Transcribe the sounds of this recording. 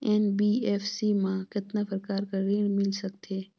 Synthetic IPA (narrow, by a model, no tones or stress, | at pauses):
ɛːnbiːɛːfsimãkɪt̪nafəɾkaːɾkaɾeːɽ̃mɪlsɐkt̪ʰeː